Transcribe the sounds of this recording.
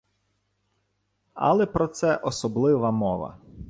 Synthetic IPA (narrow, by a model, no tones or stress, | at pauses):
ɐ̰lˠɛpɾɔt̪sɛʔɔsɔblˠɪʋɐmɔʋɐ̰